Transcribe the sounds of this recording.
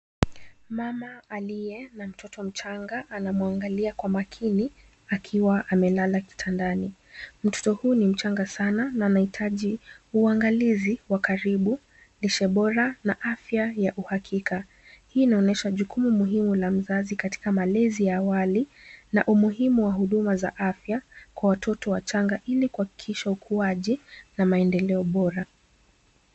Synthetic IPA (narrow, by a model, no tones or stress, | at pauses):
mamaːlijɛnam̩tʰɔtɔm̩t͡ʃaŋɡaʔːnamuaŋɡaliakwamakʰini | akʰiwaʔamɛlalaki̥tʰandani | m̩tɔ̥tɔhuːnim̩t͡ʃaŋɡasanananahitʰaʄiuaŋɡaliziwakaɾiɓu | liʃɛɓɔɾanaʔafjajaʔuhakʰikʰa | hiːnaɔnɛʃaʄukumumuɦimulam̩zazikati̥kamalɛzijaːwalina̰ʔumuɦimuwahuɗumaza̰ʔafjakwawatʰɔtɔwat͡ʃaŋɡaʔilikuhaki̥kʰiʃaukʰuaʄinamaɛndɛlɛɔɓɔɾa